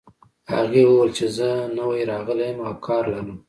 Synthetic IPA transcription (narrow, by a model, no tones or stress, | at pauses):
ha̰ɣewəwəlt͡ʃezənawajɾɑɣəlajəmawkʰɑɾlaɾu